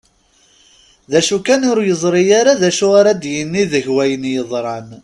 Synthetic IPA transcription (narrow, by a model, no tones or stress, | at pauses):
ðæʃukænʊɾjəzˤɾˤijaɾaðæʃʊʁaɾad̪jənːiðəʝwæjənjəðˤɾˤɑn